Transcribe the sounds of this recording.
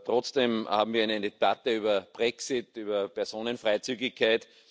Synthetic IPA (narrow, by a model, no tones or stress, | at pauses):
tʁɔt͡sd̥eːmha̰ːbm̩viːɐaɛɪnɛdeb̥atəyːbɐb̥ʁɛksɪtyːbɐpɛɐsoːnənfʁaɪt͡syːɡɪçkʰaɪt